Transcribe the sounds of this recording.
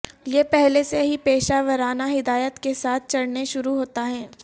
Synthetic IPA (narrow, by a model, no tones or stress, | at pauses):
jepɛɦleseɦipeːʃaːʋəɾaːnaɦɪd̪aːjət̪kesaːt̪̚ʰt͡ʃɐɽneʃʊɾuɦoːt̪aɦɛː